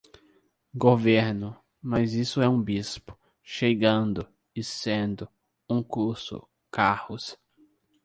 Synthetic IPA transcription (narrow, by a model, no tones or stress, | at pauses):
ɡoveɾnʊ | mɐzisʊɛũbispʊ̥ | ʃeɡɐ̃nd̪ʊ | ɪsẽnd̪ʊ | ũkuɾsʊ̰ | kahʊs